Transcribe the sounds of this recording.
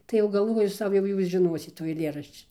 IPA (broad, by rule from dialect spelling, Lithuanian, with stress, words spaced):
tɐɪ jɛʊ ɡɐlˠˈʋoːjʊ ˈsɐʊ jɛʊ ˈjuːs ʒʲɪˈnoːsʲɪt tuː ɐɪˈlʲeːrɐʃʲt͡ʃʲɪ